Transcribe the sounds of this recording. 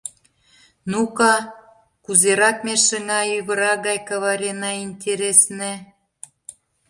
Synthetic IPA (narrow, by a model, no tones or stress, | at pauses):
nukɑ | kuzeɾɑkmeʃəŋɑjyɣə̆ɾɑɣɑjkɑβɑɾʲenɑinʲt̪ʲeɾesnĕ